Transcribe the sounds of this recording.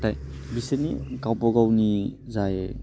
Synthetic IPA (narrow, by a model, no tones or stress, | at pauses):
taj | biseniɡawpɔɡawni | zaje